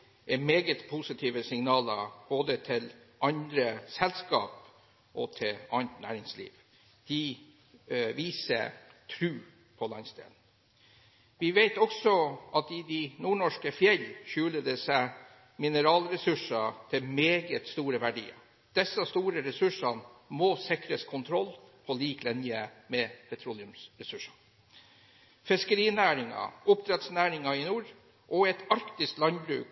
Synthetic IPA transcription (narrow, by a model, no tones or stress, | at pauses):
ʔɛmeːɡət̪pʰusɪt̪ʰiːʋəsɪŋnɑːlə̰b̥oːd̪ət̪ʰɪl | ʔɑnd̪ɾəsɛlskɑ̰ːp | ʔɔt̪ʰɪɑnt̪næ̰ːɾɪŋslḭːʋ | d̪̥ɪ | ʋiːsə̰t̪ʰɾʉː | pʰɔlɑnst̪ḛːln̩ | ʋɪʋeɪt̪ɔksɔɑt̪ɪd̪ɪnuːɳɔʂkəfjɛlçʉːləd̪əsæɪ | mɪnəɾɑːlɾɛsʉʂɑt̪ʰɪlmeːɡət̪st̪uːɾəʋæɖḭːɑ̰ | d̪̥ɛsːɑst̪uːɾəɾɛsʉʂɑnmoːsɪkɾəskʰʊnt̪ʰɾɔlpʰɔliːklɛnɪəmɛpʰɛt̪ʰɾulɪʉmsɾɛsʉʂɑ̥ | fɪskəɾiːnæːɾɪŋɑ̰ʔʊpt̪ʰɾɛt̪snæːɾɪŋɑɪnuːɾ | ʔɔɛt̪ɑɾkt̪ɪskt̪lɑnbɾʉ̰ːk